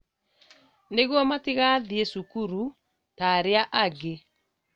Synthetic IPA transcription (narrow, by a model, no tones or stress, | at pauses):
neɣwɔmateɣaðiesukuɾu | taɾeaʔaɡe